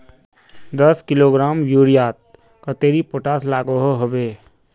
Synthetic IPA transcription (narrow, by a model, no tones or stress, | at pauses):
d̪əskɪloːɡɾaːmjuːɾijaːt̪̚ | kət̪eːɾipoʈaːslaːɡoɦoɦobeː